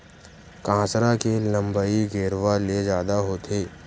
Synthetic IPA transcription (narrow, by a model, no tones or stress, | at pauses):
kãːsɾakelə̃mbəiɡeːɾʋaled͡ʒjaːd̪aɦoːt̪ʰeː